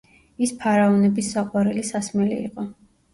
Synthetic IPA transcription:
ispʰaɾaɔnɛbisːaqʼwaɾɛlisasmɛlḭḭqʼɔ

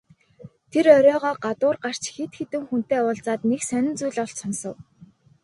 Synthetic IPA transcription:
t̪ʰeɾœɾʲɔːʁɔːɢat̪ʊːrɢar̥t͡ɕxet̪xet̪ɘ̆ŋxun̥t̪eːʊːɮt͡saːt̪neksænʲɪ̆nt͡sujɮɔɬt͡ɕsɔnsɞ̆w

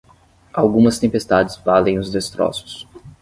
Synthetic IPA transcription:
awɡũmɐst̪ẽmpest̪ad͡ʒɪzvalẽj̃ʊzd̪est̪ɾɔ̰sʊ̥s

